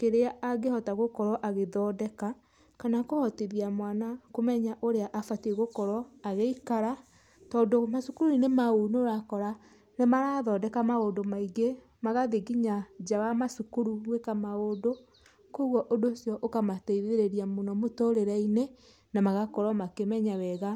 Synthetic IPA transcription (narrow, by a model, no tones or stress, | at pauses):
keɾeaaɣehɔtaɣokɔɾɔʔaɣeðɔdɛka | kanakohɔteðiamwanakomɛɲaʔoɾeaʔafateɣokɔɾɔaɣeikaɾa | tɔːndomasukuɾuinemaonoɾakɔɾa | nemaɾaðɔːdɛkamaondomaiɡe | maɣaðeɡiɲad͡ʒawamasukuɾuwekamaoːdo | koɣwɔʔodosjɔʔokamateiðeɾeɾiamonɔmotoɾeɾaine | namaɣakɔɾɔmakemɛɲawɛɣa